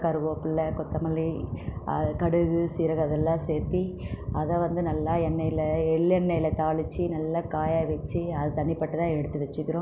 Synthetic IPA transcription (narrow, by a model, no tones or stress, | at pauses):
kɐɾɯʋoːpɪlːɐkɔt̪ːɐmɐliɐkɐɽɯɣɯsiːɾɐɣɐðɛlːãːseːɾt̪iɐðɐʋɐnd̪ɯnɐlːaːɛnːɐjɪlɐɛɭɛnːɐjɪlɐt̪aːɭɯt͡ʃːinɐlːɐkaːjaːʋɐt͡ʃːiɐðɯt̪ɐɳːɪpːɐʈːɯt̪ãːɛɽɯt̪ːɯʋɛt͡ʃːɯkːɪɾõː